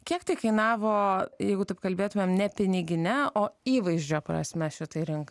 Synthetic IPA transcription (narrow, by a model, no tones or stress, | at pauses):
kʲiɛkt̪ɐɪkɐɪnɑːʋoːjɛɪɡʊt̪ɐɪpkɐlʲbʲeːt̪ʊmʲeːmnʲɛpʲɪnʲɪɡʲɪnʲɛoːiːʋɐɪʒʲd͡ʒʲoːpɾɐ̰sʲmʲɛʃʲɪt̪ɐɪɾʲɪŋk